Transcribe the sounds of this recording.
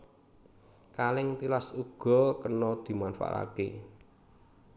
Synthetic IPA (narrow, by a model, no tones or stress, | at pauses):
kalɪŋt̪ilasuɡ̥ɔ̤kənɔd̪̥i̤manfa̰la̰ke